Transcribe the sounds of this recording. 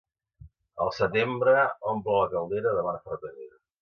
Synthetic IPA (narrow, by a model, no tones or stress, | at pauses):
əlˠsət̪embɾəɔmplələkəlˠd̪eɾəðəβanfəɾkəðeɾ